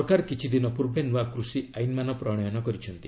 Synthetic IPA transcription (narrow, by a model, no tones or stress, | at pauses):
ɔkaɾkit͡ʃʰid̪inɔpuɾbʱenuakɾusiajnmanɔpɾɔɽ̃ɔjɔnɔkɔɾit͡ʃʰɔnt̪i